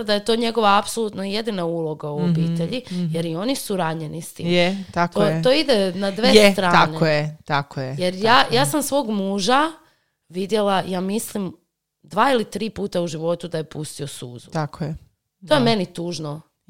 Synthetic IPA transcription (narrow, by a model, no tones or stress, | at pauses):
d̪aje̞t̪o̞ːɲeɡo̞ʋaːpsolˠut̪noijed̪inaulˠo̞ɡauobiːt̪eʎije̞ɾio̞nisuɾaɲenist̪ḭːmjt̪ak̪ot̪o̞id̪enad̪ʋest̪ɾaːnejet̪akojejeɾjaːjaːsamsʋo̞ːɡmuːʒa | ʋid̪je̞lajaːmislim | d̪ʋaːilit̪ɾiːpuːt̪auʒiʋo̞t̪ud̪aje̞pust̪io̞sṵːzṵt̪akʰoje | t̪o̞jeme̞nit̪uːʒno̞